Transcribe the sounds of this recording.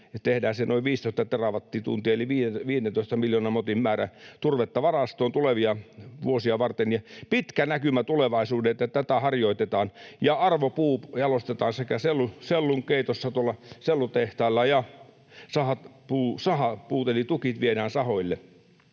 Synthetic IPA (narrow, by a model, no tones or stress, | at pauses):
ɑt̪ehdæːnsenoiʋʋiːst̪oˑist̪ɑt̪erɑʋɑt̪ːiːt̪ṵnt̪iɑeliʋiːeʋiːenent̪oˑist̪ɑmiljoːnɑmot̪immæːræ̰t̪urʋet̪ːɑʋɑrɑst̪oːnt̪uleʋiɑʋuosiɑʋɑrt̪enjɑpit̪kænækymæt̪uleʋɑisuːdeet̪ːæt̪æt̪æhɑrjoit̪et̪ɑːnjɑɑrʋopuːjɑlost̪et̪ɑːnsekæselːuselːuŋkeit̪osːɑt̪uolːɑselːut̪eht̪ɑilːɑjɑ | sɑhɑt̪puːsɑhɑpuːt̪elit̪ukit̪ʋieɾæːnsɑhoilːe